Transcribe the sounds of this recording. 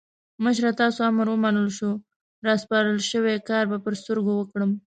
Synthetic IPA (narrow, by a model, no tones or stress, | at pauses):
məʃ̬ɾat̪ɑsoaməɾwəmanəlʃu | ɾɑspɑɾəlʃəwekɑɾbapəɾst̪əɾɡowəkɽəm